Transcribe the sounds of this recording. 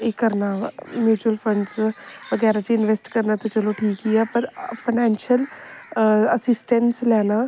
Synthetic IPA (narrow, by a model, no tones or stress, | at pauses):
eːkəɾnaːmjuːt͡ʃuəlpʰə̃ɳɖsʋəɡɛːɾaːt͡ʃiɪnʋesʈkəɾnaːt̪eːt͡ʃəlõːʈʰiːkɦiːɛːpəɾpʰənɛːnʃəl | əsɪsʈənslɛːnaː